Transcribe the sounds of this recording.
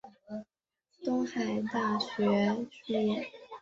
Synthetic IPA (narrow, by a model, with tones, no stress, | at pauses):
t̪ʊ˥ŋxa˨˩ɪt̪a˥˩ɕɥɛ˧˥t͡ɕ̩˥˧jɛ˥˩